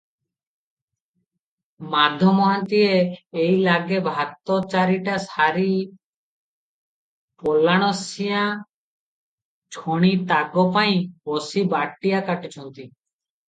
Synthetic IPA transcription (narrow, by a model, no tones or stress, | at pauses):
mad̪ʱːomɔɦant̪ieejlaɡebʱat̪ːot͡ʃaɾiʈasaɾi | polːaɽ̃osijã | t͡ɕʰoɽ̃it̪aɡopaj̃osibaʈːijakaʈit͡ɕʰɔnt̪i